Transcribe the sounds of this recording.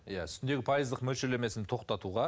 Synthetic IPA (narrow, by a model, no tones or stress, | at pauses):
jæʏsɪnd̪e̞ɡʲɪpʰɑjəzd̪əqmɵlʃele̞me̞sɪnt̪ʰo̞qt̪ɑt̪uʁɑ